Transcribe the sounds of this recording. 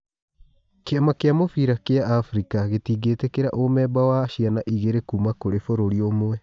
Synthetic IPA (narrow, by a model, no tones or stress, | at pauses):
keamakeamofiɾakeaʔːfɾikaɣetiːɡetekeɾa̰ʔomɛbawaɕianaʔiɣeɾekuːmakoɾefoɾoɾiomoɛ